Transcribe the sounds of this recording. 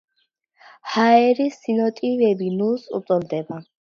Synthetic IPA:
haɛɾisinɔt̪ʼivɛbinulsṵt̪sʼɔɾd̪ɛba

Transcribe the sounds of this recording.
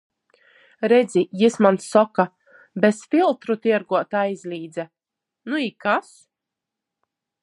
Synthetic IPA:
ɾed̪zijismansːɔka | besfilˠt̪ɾut̪iɛɾɡuɔt̪aːizʲlʲiːd̪zɛ | nuikas

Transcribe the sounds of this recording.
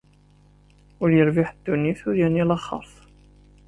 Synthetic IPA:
ʊɾjəɾvɪħəd̪̥ːunːiθʊɾjænilɑχɑ̰ɾˤθ

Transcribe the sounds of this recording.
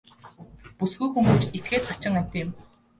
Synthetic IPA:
pusɡujxumɡɘ̆t͡ɕet̪̚ɡeːt̪χat͡ɕɪ̆ŋæm̥ʲt̪eːm

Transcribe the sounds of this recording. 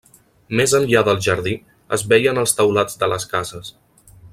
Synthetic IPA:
mezənʎaðəlˠʒəɾði | ə̰zβɛjənəlˠst̪əwlad͡zd̪ələskazəs

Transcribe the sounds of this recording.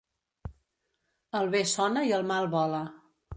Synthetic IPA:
əlˠβesɔnəiəlˠmalˠβɔlə

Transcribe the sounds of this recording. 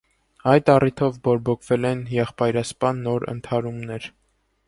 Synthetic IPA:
ɑjt̪ɑrit̪ʰɔvbɔɾbɔkʰvɛlɛnjɛχpɑjɾɑspɑnːɔɾə̰nt̪ʰɑɾumnɛɾ

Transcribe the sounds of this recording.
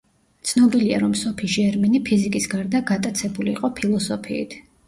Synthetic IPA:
t̪sʰnɔbilia̰ɾɔmsɔpʰiʃɛɾminipʰizikʼisɡaɾd̪aɡat̪ʼat̪sʰɛbuliːqʼɔpʰilˠɔsɔpʰiḭt̪ʰ

